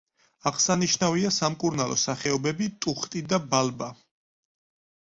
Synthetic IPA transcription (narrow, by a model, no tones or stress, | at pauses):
aʁsaniʃnaviasamkʼuɾnalˠɔ̰saχɛɔbɛbit̪ʼuχt̪ʼid̪abalba